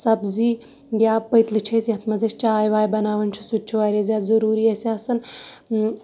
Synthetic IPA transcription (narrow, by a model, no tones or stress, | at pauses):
sɐbzi | ɡʲjaːpəjt̪lit͡ʃʰɐsjɐt̪mɐzɐʃt͡ʃaːjʋaːjbɐnaːʋɐnt͡ʃʰi̥sut̪̚ːt͡ʃʰuʋaːɾʲezʲjaːzɐɾuːɾiɐsɐsɐn